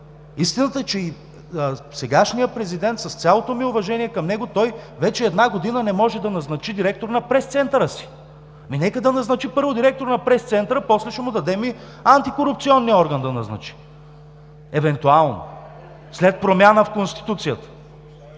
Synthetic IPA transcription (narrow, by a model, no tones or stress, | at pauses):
ist̪inət̪əɛt͡ʃɛi | sɛɡaʃnijəpɾɛzid̪ɛnt̪sɐst̪sʲalˠot̪omiʊvɐʒɛniɛkɐmnɛɡʊt̪ɔjvɛt͡ʃɛɛd̪naɡod̪inənɛmɔʒɛd̪ɐnɐznɐt͡ʃid̪iɾɛk̚t̪oɾnɐpɾɛst̪sɛnt̪əɾəsi̥ | minɛkəd̪ɐnɐznɐt͡ʃipɤɾvod̪iɾɛk̚t̪oɾnɐpɾɛst̪sɛnt̪əɾəpɔslɛʃɛmʊd̪ɐd̪ɛmi | ant̪ikoɾup̚t̪siɔnːiɔɾɡənd̪ɐnɐznɐ̰t͡ʃi̥ | ɛvɛnt̪ualˠno̰ | slɛt̪̚pɾomʲjanəfkonst̪i̥t̪ut̪sijət̪ə̥